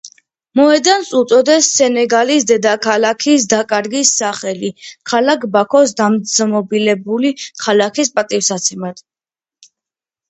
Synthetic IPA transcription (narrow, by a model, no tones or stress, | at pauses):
mɔɛd̪ansut̪sʼɔd̪ɛsːɛnɛɡalisd̪ɛd̪akʰalakʰisd̪akʼaɾɡisːaχɛlikʰalakʰbakʰɔsd̪amzmɔbilɛbulikʰalakʰispʼat̪ʼifsat̪sʰɛmad̪̥